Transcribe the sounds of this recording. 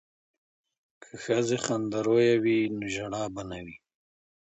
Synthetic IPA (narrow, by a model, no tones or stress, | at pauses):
kʰəxəzeχand̪aɾojawinoʒaɽɑːbanawi